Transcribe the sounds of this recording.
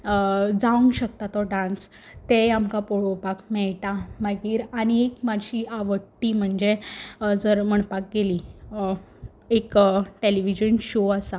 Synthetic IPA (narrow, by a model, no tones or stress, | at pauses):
d͡zaʋəŋɡɕək̚t̪at̪ɔɖãns | t̪eamkapoɽopakmɛɭʈamaɡiːɾaɽ̃iekmaɕiaʋəʈːiːm̤əɳd͡zed͡zəɾm̤əɳpak̚ɡeliː | ekʈeliʋid͡ʑənɕoasa